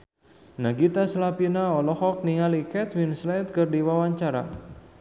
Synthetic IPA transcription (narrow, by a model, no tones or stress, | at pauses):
naɡit̪aslapinaɔlɔhɔk̚niŋalikɛt̪winslat̪̚kərdiwawaɲt͡ʃaɾa̰